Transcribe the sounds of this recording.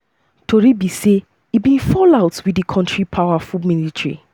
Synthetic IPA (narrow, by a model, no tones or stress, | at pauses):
tʰoɹibise | ibĩnfɔlaʊtwidikʰɔ̃ntɹipʰawafulministɹḭ